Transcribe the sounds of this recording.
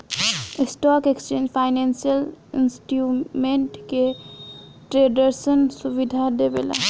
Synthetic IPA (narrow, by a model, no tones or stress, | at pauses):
isʈɔkekst͡ʃẽnd͡ʒpʰaɪnensijəlinsʈjumeɳʈke | ʈɾeɖəɾsənsubid̪ʱad̪ebela̰